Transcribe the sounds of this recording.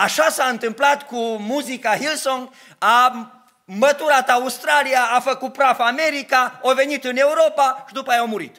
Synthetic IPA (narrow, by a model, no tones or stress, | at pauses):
aʃasaɨnt̪ɨmplat̪kumuzikaɦilsoŋ | a | mət̪uɾat̪aust̪ɾaliaːfəkut̪̚pɾavame̞ɾikaovenit̪ɨne̞uɾo̞paʃid̪upəajaomuɾḭt̪